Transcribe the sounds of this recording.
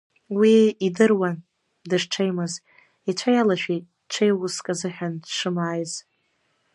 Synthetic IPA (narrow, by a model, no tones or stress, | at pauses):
wiːdɨrwan | dɨʂʈ͡ʂʰejmɨz | it͡ʃʷʰajalaʃᶣi | ʈ͡ʂʷʰejwʊskʼazɨħʲᶣandʂɨmaːjz